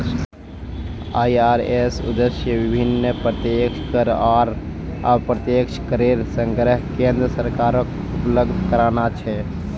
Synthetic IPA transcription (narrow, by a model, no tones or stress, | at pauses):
ajaɾesṵd̪əsjəʋibʱinːpɾət̪jekʃkəɾaɾ | a̰bpɾət̪jekʃʰkəɾeɾsəŋɡɾəɦkẽnd̪ɾəsəɾkaɾək | upləɡd̪ʱkəɾanat͡ʃʰɛ